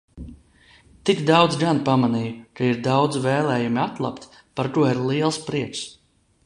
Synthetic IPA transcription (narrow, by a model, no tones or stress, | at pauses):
t̪iɡd̪awd̪zɡanpamanijukaiɾd̪awd̪zvɛːlˠɛːjumiat̪lˠa̰pt̪ | paɾt̪uɔiɾlˠiɛlˠspɾiɛks